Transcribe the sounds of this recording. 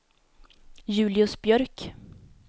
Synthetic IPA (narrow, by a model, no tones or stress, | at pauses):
jʉ̟ːlɪɵsbjœɾk